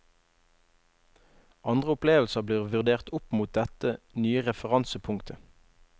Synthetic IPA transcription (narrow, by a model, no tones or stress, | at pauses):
ʔɑnd̪ʁəʊpleːʋl̩səʁbliːʁʋʉʁd̪eːʁt̪ʊpmuːt̪̚d̪ɛt̪ənyːəʁɛfəʁɑnsəpʰʊŋkt̪ʰə